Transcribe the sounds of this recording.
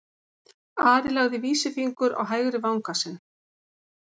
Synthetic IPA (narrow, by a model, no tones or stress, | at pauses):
aːɾɪlaɣðɪviːsɪfiŋkʏɾa̰wɦaːjɣɾɪvawŋkasɛn